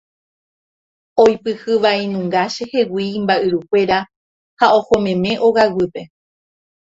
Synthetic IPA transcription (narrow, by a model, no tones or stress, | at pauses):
ojpɨhɨʋainũŋɡaʃehe̞wiːmbaʔɨɾukʷe̞ɾa | hao̞homẽ̞mẽ̞ʔo̞ɣawɨpe̞